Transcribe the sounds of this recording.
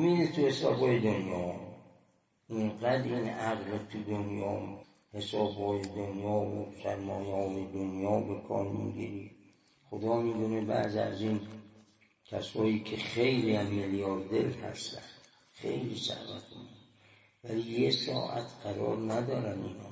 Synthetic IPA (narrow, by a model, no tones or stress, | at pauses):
miːd̪et̪ʰuhe̞sɒːbhɒːjed̪onjɒː | enɡæd̪iːnæɣlet̪ʰud̪onjɒː | he̞sɒːbhɒːjed̪onjɒːo̰sæɾmɒːjeɒːjed̪onjɒːbekʰɒ̰ːɾmḭːɡḭɾi | xod̪ɒːmiːd̪unebæ̰ziæ̰ziːn | kʲʰæsɒːjiːkʰexe̞jliæmːeljɒːɾd̪elhæ̰st̪ænd̪̥ | xejliːsæ̰hvæ̰t̪omin | væliːjesɒ̰ːʔæt̪ʰɢæɾɒ̰ːɾnæd̪ɒːɾænḭːnɒ̰ː